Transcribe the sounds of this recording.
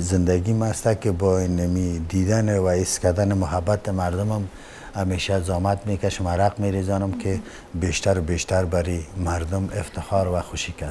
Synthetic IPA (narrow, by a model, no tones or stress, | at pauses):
zɪnd̪aɡimast̪akɪbɔinamid̪id̪anɪwaɪskad̪anɪmʊɦabat̪ɪmaɾd̪ʊmʊm | ameʃazɔmat̪mekaʃʊmaɾaqmeɾezɔnʊmkʰɪ | beʃt̪aɾʊbeʃt̪aɾbaɾimaɾd̪ʊmɪft̪ɪxɔɾwaxʊʃika